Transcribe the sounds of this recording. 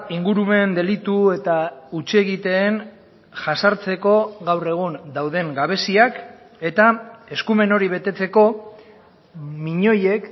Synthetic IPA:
iŋɡuɾume̞nd̪e̞lit̪ue̞t̪aut͡ʃie̞ɣit̪e̞ːn | ʝasaɾt͡se̞ko̞ɣawre̞ɣ̞und̪awðe̞ŋɡaβ̞e̞siak | e̞t̪ae̞skume̞no̞ɾiβ̞e̞t̪e̞t͡se̞ko̞ | miɲo̞je̞k

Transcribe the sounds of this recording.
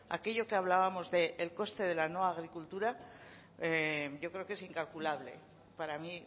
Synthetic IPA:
a̰ke̞ʝo̞keaβ̞laβamo̞zðe̞ʔːlko̞st̪e̞ð̞e̞lano̞aːɣ̞ɾikult̪uɾa | eʝo̞kɾe̞oke̞siŋkalkulaβle̞̰ | paɾami

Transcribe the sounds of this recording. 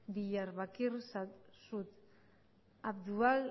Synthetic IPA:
biʎaɾβakirsasut̪ | ap̚d̪ual

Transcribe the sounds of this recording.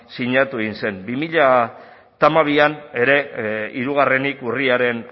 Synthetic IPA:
siɲat̪ueɣinse̞nbimiʎa | t̪amaβ̞iane̞ɾe̞iɾuɣ̞are̞nikuriaɾe̞n

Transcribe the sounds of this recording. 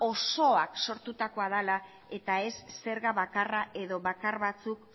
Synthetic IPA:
o̞so̞akso̞ɾt̪ut̪ako̞aðala | e̞t̪ae̞sːe̞ɾɣaβakaraʔe̞ðo̞βakarβat͡suk

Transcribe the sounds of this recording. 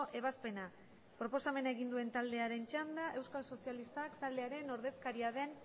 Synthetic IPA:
ʔe̞βaspe̞na | pɾo̞posame̞naeɣind̪ue̞nt̪ald̪e̞aɾe̞nt͡ʃand̪aʔe̞wskalso̞sialist̪akt̪ald̪e̞aɾe̞no̞ɾðe̞skaɾiað̞e̞n

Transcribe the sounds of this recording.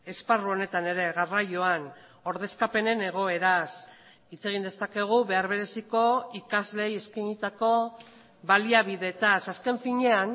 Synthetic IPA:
e̞sparuo̞ne̞t̪ane̞ɾe̞ɣarajo̞an | o̞ɾðe̞skape̞ne̞ne̞ɣ̞o̞e̞ɾas | it͡se̞ɣ̞ind̪e̞st̪ake̞ɣ̞uβe̞aɾβ̞e̞ɾe̞siko̞ikazle̞je̞skaɲit̪ako̞ | βaliaβiðe̞ːt̪asaske̞ɱfiɲe̞an

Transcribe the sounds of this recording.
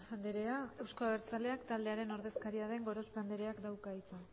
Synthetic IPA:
xand̪eɾe̞ae̞wsko̞aβeɾt͡sale̞akt̪ald̪e̞aɾe̞no̞ɾðe̞skaɾiaðe̞ŋɡo̞ɾo̞spand̪eɾe̞akd̪awkait͡sa

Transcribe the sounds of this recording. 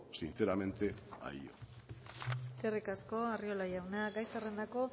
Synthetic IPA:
sinθeɾamẽ̞nt̪e̞a̰io̰ | serikasko̞ario̞lajawnaɡajsare̞nd̪ako̞

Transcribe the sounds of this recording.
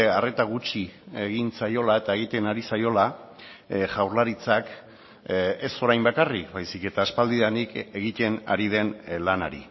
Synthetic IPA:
are̞t̪aɣ̞ut͡ʃie̞ɣinsajo̞lae̞t̪ae̞ɣ̞it̪e̞naɾisajo̞la | ʝawɾlaɾit͡sak | e̞so̞ɾajmbakarikbajsike̞t̪aːspald̪iðanike̞ɣit̪e̞na̰ɾið̞e̞nlanaɾḭ

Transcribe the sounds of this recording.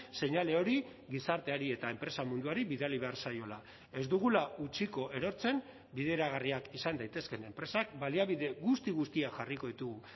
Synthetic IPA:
se̞ɲale̞o̞ɾi | ɣisaɾt̪e̞aɾie̞t̪ae̞mpɾe̞samund̪uaɾiβiðaliβ̞e̞aɾsajo̞la | e̞zd̪uɣ̞ulaut͡ʃiko̞ʔe̞ɾo̞ɾt͡se̞n | biðe̞ɾaɣariakisand̪ajt̪e̞ske̞ne̞mpɾe̞sakbaliaβiðe̞ɣust̪iɣust̪iaʝariko̞ðit̪uɣu

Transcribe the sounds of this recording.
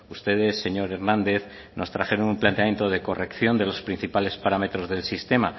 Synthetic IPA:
ust̪e̞ð̞e̞sːe̞ɲo̞ɾe̞ɾnãnd̪e̞θ | nʔo̞st̪ɾaxe̞ɾonumplant̪eamje̞nt̪o̞ðe̞ko̞rʔe̞kθjo̞nd̪e̞lo̞spɾin̟θipale̞spaɾame̞t̪ɾo̞zðe̞lsist̪e̞ma

